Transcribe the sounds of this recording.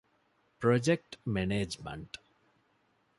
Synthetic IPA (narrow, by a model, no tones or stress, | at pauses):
pɾɔd͡ʒek̚ʈmɛned͡ʒmḛ̃ɳʈ